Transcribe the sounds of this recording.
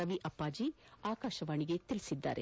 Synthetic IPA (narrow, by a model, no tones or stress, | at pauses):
ɐʋiʔɐpːaːd͡ʒiaːkaːʃɐʋaːɳiɡet̪ilisid̪ːa̰ːɾe